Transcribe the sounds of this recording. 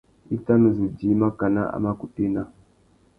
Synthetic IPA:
i˦ta˦mə˨zi˨d͡ʒi˨˦ma˦ka˨na̰˦a̰˨ma˦ku˨pi˦na˦

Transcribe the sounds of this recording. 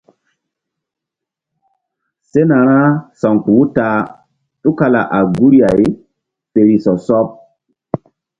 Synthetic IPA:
se˦na˨ɾ̃ã˦sɔ˨ŋku˨wu˦ta˨ | tu˦ka˦˨la˨ʔa˨ɡu˦ɾa˨j | pe˨ɾi˨sɔ˨sɔ˦p̚

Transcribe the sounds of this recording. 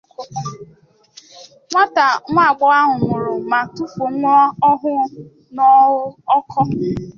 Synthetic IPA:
ŋʷa˦ta˨ŋʷa˦˨ɡ͡bɔ˦a˦ɦʊ˨ŋʷʊ˨ɾʊ˨ma˨tu˦fo˨ŋʷɔ˦ɔ˦ɦʊ˦ | nɔ˦ʊ˦ɔ˦kʰɔ˦

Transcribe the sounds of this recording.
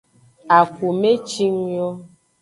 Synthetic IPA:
a˨ku˨me˦t͡ʃi˦ŋ˦jɔ˦

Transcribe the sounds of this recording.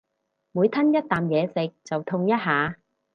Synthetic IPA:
muː˨˧jt̪ʰɐ˥njɐ˥t̚t̪aː˨mjɛː˨˧sɪ˨k̚t͡sɐ˨wt̪ʰʊ˧ŋjɐ˥t̚ɦaː˨˧

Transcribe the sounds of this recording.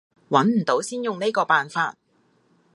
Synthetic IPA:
wɐ˨˥nm̩˨˩t̪o˨˥wsiː˥njʊ˨ŋne˥jkɔː˧paː˨nfaː˧t̚

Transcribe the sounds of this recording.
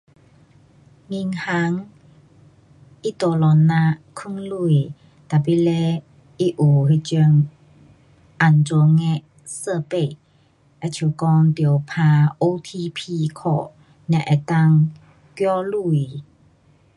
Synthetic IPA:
ŋi˧ŋha˧˦ŋ | ʔi˦˥t̪o˧˩lɔ˨nːa˧ʔkʰu˧˥˨ŋlu˧˩˨j | t̪a˨˩pi˧˥le˧ | ʔi˦˥ʔu˨˩he˧t͡ɕu˧əŋ | ʔa˨˩nt͡so˧˦ŋɛ˧˥ʔ | sə˧˨pe˧˨ | ʔa˧˨t͡ɕʰi˨kɔ˧ŋt̪i˧˨˩ə˨wpʰãː˧ʔo˧t̪ʰi˧pʰi˧˨kʰɔ˧˨ | na˧ʔa˨t̪a˧˨ŋ | kjɔ˦lu˧˩˨j

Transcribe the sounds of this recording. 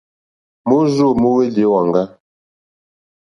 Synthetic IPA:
mo˦zo˦˨mo˦we˦le˨˦wa˨ŋɡa˦

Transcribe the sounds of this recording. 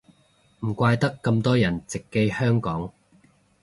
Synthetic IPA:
m̩˨˩kʷaː˧jt̪ɐ˥kːɐ˧mt̪ɔː˥jɐ˨˩nt͡sɪ˨kːe˧jhœː˥ŋkɔː˨˥ŋ

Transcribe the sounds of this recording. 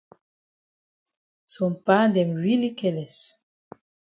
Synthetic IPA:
sɔ˨mpa˦d̪ɛ˨mɹi˦li˦kɛlɛ˨s

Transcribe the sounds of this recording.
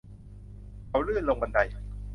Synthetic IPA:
kʰa˨˦wɾɯː˥˩nlo˧ŋba˧nda˧j

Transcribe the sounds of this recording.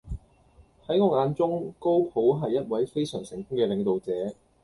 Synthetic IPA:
hɐ˨˥jŋɔː˧ŋaː˧nt͡sʊ˥ŋko˥wpʰo˨˥wɦɐ˨jːɐ˥t̚wɐ˨˥jfe˥jsœː˨˩ŋsɪ̰˨˩ŋkʊ˥ŋkɛː˧lɪ˨˧ŋt̪o˨wt͡sɛː˨˥

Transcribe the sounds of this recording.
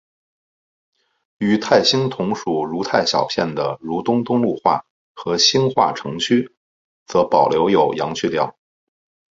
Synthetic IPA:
y˨˩t̪ʰa˥˩ɪɕi˥nt̪ʰʊ˧˥ŋʂu˨˩ɻu˧˥t̪ʰa˥˩ɪɕjɑ̰˨˩ʊpʰjɛ̰˥˩nd̪ə˩ɻu˧˥t̪ʊ˥ŋt̪ʊ˥ŋlu˥˧xwa̰˥˩ | xɤ˧˥ɕi˥nxwa̰˥˩ʈ͡ʂʰɤ˧˥ŋt͡ɕʰy˥ | t͡sɤ˧˥pɑ˨˩ʊljo˧˥ʊjo˨˩ʊjɑ˧˥ŋt͡ɕʰy˥˧ljɑ˥˩ʊ

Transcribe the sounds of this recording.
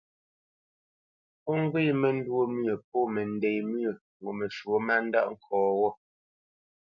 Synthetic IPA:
pɔ˦ŋ˦ɡwi˦mɛ˦n̩˦dwo˦mɥə˨p̚ɔ˦˨mɛ˨n̩˨dɛ˨jmɥə˨ŋ˨ɡo˨me˨ʃwo˦ma˦n̩˦da˦ʔŋ̩˦˨kʰɔː˨wɔ˦

